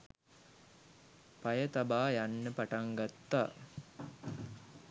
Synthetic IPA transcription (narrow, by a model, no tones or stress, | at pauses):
pɐjət̪abaːjanːəpaʈaŋɡat̪ːa̰ː